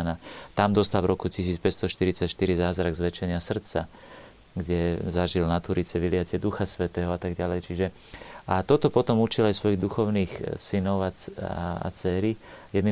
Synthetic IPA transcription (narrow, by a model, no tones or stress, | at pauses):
nat̪amd̪ɔst̪alvɾɔkucis̬iːt͡spɛtst̪ɔʃt̪iɾit͡sacʃt̪iɾizaːzɾaɡzʋɛt͡ʃɛɲɪasr̩t̪t͡sa | ɡɟɛzaʒilnat̪uɾit͡sɛʋilɪacɛd̪uxasʋɛt̪ɛːɦɔat̪aɡɟalɛjt͡ʃiʒɛat̪ɔt̪ɔpɔt̪ɔmut͡ʃilajsʋɔjiɣd̪uxɔʊniːxsinɔʊa | a̰t͡sɛːɾijɛd̪ni